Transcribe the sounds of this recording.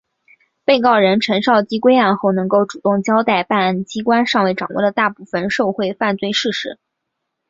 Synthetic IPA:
pe˥˧ɪkɑ˥˩ʊɻə˧˥nʈ͡ʂʰə˧˥nʂɑ˥˧ʊt͡ɕi˥kwe˥ɪa˥˧nxo˥˩ʊnɤ˧˥ŋko˥˩ʊʈ͡ʂu˨˩t̪ʊ˥˩ŋt͡ɕjɑ˥ʊt̪a˥˩ɪpa˥˩nt͡ɕi˥kwa˥nʂɑ˥˧ŋwe˥˩ɪʈ͡ʂɑ˨˩ŋwɔ̰˥˩d̪ə˩t̪a˥˧pu˥˩fə˨˩nʂo˥˧ʊxwe˥˧ɪfa˥˧nt͡swe˥˧ɪʂɻ̩˥˩ʂɻ̩˧˥

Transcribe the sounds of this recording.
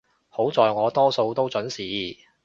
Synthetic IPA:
ho˨˥wt͡sɔː˨jŋɔː˨˧t̪ɔː˥so˧wt̪o˥wt͡sɵ˨˥nsiː˨˥

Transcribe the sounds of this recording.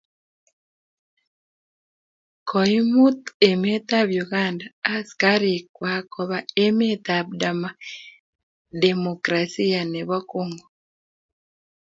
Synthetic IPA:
kʰɔ˨i˦mu˦t̪e˨me˦t̪a˦βjuɣandaː˨˦ska˦ɾi˨kwa˦kɔβae˦me˦t̪ab̚da˨ma | de˨mokɾasi˦a˨ne˨βɔ˦koŋɡo

